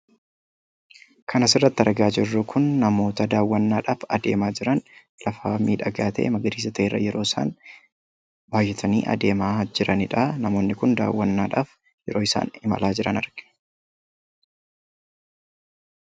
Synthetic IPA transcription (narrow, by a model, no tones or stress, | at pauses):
kʰɐnɐsɪrːɐt̪ːɪɐɾɐɡaːd͡ʒɪrːʊkʰʊnːɐmo̞ːt̪ɐd̪aːwːɐnːaːᶑaːfɐd̪e̞ːmaːd͡ʒɪɾɐn | lɐfaːmiːᶑɐɡaːt̪ḛːmɐɡɐɾiːs̬ɐt̪ɐʔerːɐ̰jɛɾo̞ːɪsa̰ːn | baːjːɛt̪ʰɐnḭːʔɐ̰d̪e̞ːmaːd͡ʒɪɾɐnɪᶑɐnɐmo̞ːnːɪkʊnd̪a̰ːwːɐnːaːᶑaːf | jɛɾo̞ːɪsa̰ːnɪmɐ̰laːd͡ʒɪɾɐnɐɾɡ̥ɪ̥